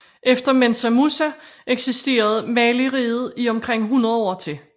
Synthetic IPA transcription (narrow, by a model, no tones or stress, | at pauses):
ʔefd̥ɐmensæmusæʔeɡ̥sisd̥e̝̰ːɐð̞̩ˠmɛːliʁiːð̞̩ˠiɒ̽mkʰʁeŋ̰ɦunɐð̞ˠɒ̰ːt͡sʰe̝